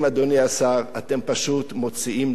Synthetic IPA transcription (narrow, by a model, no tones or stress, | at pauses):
mad̪oniasaʁat̪e̞mpaʃut̪mo̞t͡siim